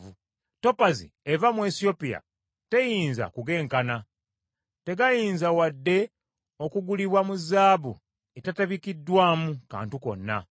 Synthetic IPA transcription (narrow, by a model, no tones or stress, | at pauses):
u | to̞pazḭevamwesio̞pija̰ | te̞jiːnza̰kuɡe̞ːŋkana | te̞ɡajiːnzawadːe̞ | o̞kuɡuliβwamuzaːβṵ | etataβikidːwaːmuka̰ːntuko̞̰nːa̰